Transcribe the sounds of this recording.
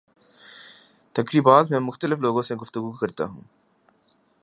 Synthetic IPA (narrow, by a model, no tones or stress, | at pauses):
t̪ɐkɾiːbaːt̪mɛ̃ːmʊxt̪əlɪfloːɡõseɡʊft̪ʊɡukɐɾt̪a̰ɦũː